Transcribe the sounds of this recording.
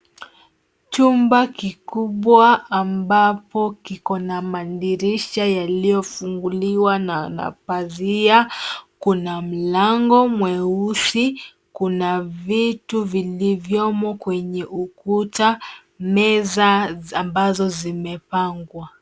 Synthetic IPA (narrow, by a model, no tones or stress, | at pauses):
t͡ʃumbakikuɓwaːmbapɔkikɔnamandiɾiʃajalijɔfuŋɡuliwanana̰paziakunam̩laŋɡɔmwɛusi | kunavituvilivjɔmɔkwɛɲɛʔukuta | mɛzaambazɔzimɛpaŋɡwa